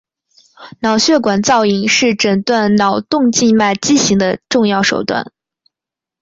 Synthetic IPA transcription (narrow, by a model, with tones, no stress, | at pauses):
nɑ˨˩ʊɕɥɛ˥˩kwa˨˩nt͡sɑ˥˩ʊi˨˩ŋʂɻ̩˥˩ʈ͡ʂə˨˩nt̪wa˥˩nnɑ˨˩ʊt̪ʊ˥˧ŋt͡ɕi˥˧nma˥˩ɪt͡ɕi˥ɕi˧˥ŋd̪ə˧ʈ͡ʂʊ˥˧ŋjɑ˥˩ʊʂo˨˩ʊt̪wa̰˥˩n